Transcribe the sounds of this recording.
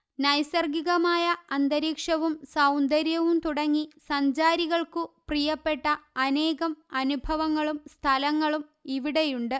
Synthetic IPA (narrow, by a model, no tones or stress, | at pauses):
nɐjsɐrɡiɣɐmaːjɐɐnd̪ɐɾiːkʂɐʋumsɐwnd̪ɐɾjɐʋumt̪uɽɐŋːisɐɲd͡ʑaːɾiɣɐɭkuprijɐpːe̞ʈːɐɐne̞ːɣɐmɐnubʱɐʋɐŋːɐɭumst̪ʰɐlɐŋːɐɭumiʋiɽe̞juɳɖɨ